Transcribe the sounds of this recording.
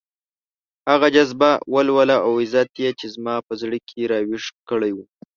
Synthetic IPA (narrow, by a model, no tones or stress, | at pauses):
haɣad͡ʒazbawəlwəlaʔawɪzat̪jet͡ʃezmɑpəzɽəkʰeɾɑwɪʂkəɽajwu